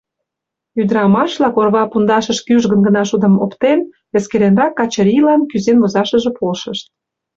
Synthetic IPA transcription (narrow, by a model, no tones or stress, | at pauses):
yd̪əɾɑmɑʃlɑkorβɑpund̪ɑʃəʃkyʒɣənɡənɑʃud̪ə̆mo̰pt̪en | βeskeɾenɾɑkːɑt͡ɕəɾʲilɑnkyzenβozɑʃə̆ʒĕpolʃə̆ʃt̪̚